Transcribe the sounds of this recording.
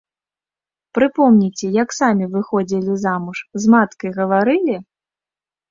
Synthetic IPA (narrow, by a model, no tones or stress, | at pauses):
pɾɨpɔmnʲit͡sʲɛjɐksamʲivɨxɔd͡zʲilʲizamuʂzmat̪kɐjɣɐvaɾɨlʲi